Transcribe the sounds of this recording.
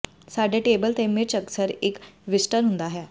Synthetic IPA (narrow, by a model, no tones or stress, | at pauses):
saɖʱeʈebəlt̪emiɾt͡ɕəksəɾekʋisʈəɾɦund̪aɦja